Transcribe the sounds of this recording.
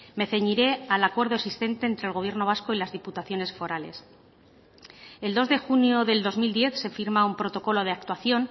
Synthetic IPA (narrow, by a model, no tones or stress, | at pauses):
me̞θe̞ɲiɾe̞alakwe̞ɾð̞o̞esist̪e̞nt̪e̞ːnt̪ɾelɣoβje̞ɾno̞β̞asko̞ilazðiput̪aθjo̞ne̞sfo̞ɾale̞̰s | e̞ld̪o̞zðe̞xunjoðe̞ld̪o̞zmild̪je̞θse̞fiɾmaumpɾo̞t̪o̞ko̞lo̞ð̞e̞ak̚t̪waθjo̞n